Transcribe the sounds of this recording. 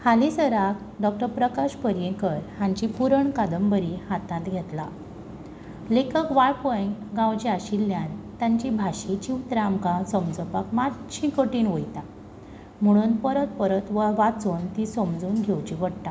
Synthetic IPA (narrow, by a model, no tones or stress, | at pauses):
halisəɾak̚ | ɖɔk̚ʈəɾpɾəkaɕpəɾjẽkəɾhaɲt͡ɕipuɾəɳkad̪əmbəɾihat̪ãt̪ɡʱet̪la | lekəkʋaɭpəjɡãwt͡ɕiaɕilːjant̪jaɲt͡ɕibʱaɕit͡ɕiwt̪ɾamkasəmd͡zəpakmat̪ɕʰĩkəʈiːnʋojt̪a | m̤əɽ̃uːnpəɾət̪pəɾət̪ʋəʋat͡suːnt̪isəmd͡zuːnɡʱewt͡ɕiʋəɽt̪a